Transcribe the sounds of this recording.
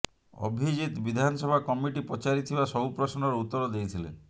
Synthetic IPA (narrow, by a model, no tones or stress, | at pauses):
ɔ̰bʱid͡ʒit̪bid̪ʱanɔsɔbʱakɔmiʈipɔt͡ʃaɾit̪ʰibasɔbupɾɔsnɔɾɔut̪ːɔɾɔd̪ejt̪ʰilḛ